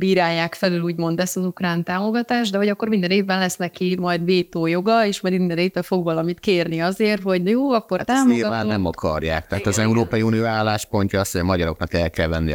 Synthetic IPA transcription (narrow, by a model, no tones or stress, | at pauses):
biːɾaːjːaːkfɛlyluːɟmo̞nd̪ɛsɒzukraːnt̪aːmo̞ɡɒt̪aːʒd̪ɛɦo̞ɟɒkːo̞rmind̪ɛneːvːɛnlɛsnɛkimɒjd̪beːt̪oːjo̞ɡɒeːʃmɒjd̪mind̪ɛneːpːɛfo̞ɡʋɒlɒmit̪keːrniɒzeːrt̪ho̞ɟjoːɒkːo̞t̪aːmoeaːnɛmɒkɒ̰rja̰ːk̚t̪ɛɦːt̪ɒzɛuɾoːpɒjiuːnioːaːlːaːʃpo̞ɲcɒɒsmɒɟɒɾo̞̰knɒkɛlkɛlvɛnːi